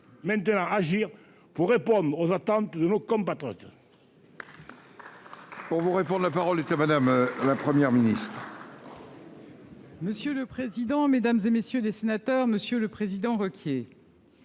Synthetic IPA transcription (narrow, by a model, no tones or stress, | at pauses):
mɛ̃nt̪ənɑ̃aʒiʁ | puʁːepɔ̃d̪ʁozat̪ɑ̃nt̪d̪ənokɔ̃pat̪χɔ̰t̪ | puʁvuʁepɔ̃d̪lapaʁɔlet̪amad̪amlapχəmjɛʁminist̪χ | məsjøləpχezid̪ɑ̃med̪amzemesjølesenat̪œʁməsjøləpχezid̪ɑ̃ʁɔkʲje